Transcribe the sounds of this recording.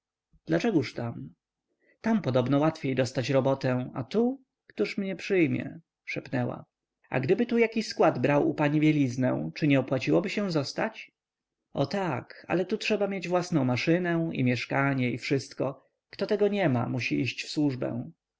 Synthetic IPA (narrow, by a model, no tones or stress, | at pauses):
d̪̥lat͡ʂɛɡuʂt̪am | t̪ampɔd̪ɔbnɔwat̪fʲjejd̪ɔst̪at͡ɕɾɔbɔt̪ɛ̃a̰t̪u | kt̪uʂmɲɛpʂɘjmʲjɛ̰ | ʂɛpnɛwa̰ | a̰ɡd̪ɘbɘt̪ujakʲiɕskwad̪bɾawʔṵpaɲivʲjelʲiznɛ̰̃w̃t͡ʂɘɲɛɔpwat͡ɕiwɔbɘɕɛw̃zɔst̪at͡ɕ | ɔt̪aka̰lɛt̪utʂɛbamʲjed͡ʑvwasnɔ̃w̃maʂɘnɛḭmʲjɛʂkaɲɛifʂɘst̪kɔ | kt̪ɔt̪ɛɡɔɲɛma̰muɕiʔiɕt͡ɕfswuʐbɛ̰̃w̃